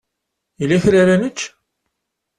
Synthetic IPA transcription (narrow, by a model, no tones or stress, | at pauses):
ilæθɾaɾænət͡ʃː